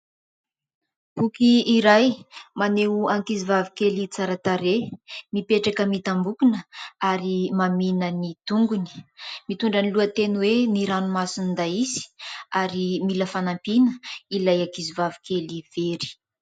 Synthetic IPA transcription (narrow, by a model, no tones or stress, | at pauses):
pukiːɾajmaneuaŋkizivavikelit͡saɾat̪aɾemipeʈ͡ʂakəmit̪ambukunəaɾimaminənit̪uŋɡuni̥mit̪uɳɖ͡ʐaniluat̪enweniɾanumasinind̪aizi̥aɾimiləfanampinəilajaŋkizivavi̥kʰeliveɾi̥